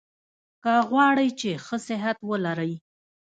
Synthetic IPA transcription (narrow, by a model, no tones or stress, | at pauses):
kaɣwɑɽəjt͡ʃexəsɪɦat̪wəlaɾəj